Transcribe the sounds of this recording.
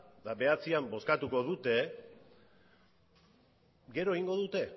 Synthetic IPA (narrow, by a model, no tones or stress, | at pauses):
d̪abe̞at͡siambo̞skat̪uko̞ðut̪e̞ | ɡe̞ɾo̞eɣiŋɡo̞ðut̪e̞